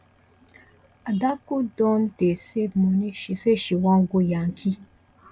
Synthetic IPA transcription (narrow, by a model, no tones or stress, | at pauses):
adakudɔndesebmɔneʃiseʃiwaŋ̩ɡojaŋ̩kʰi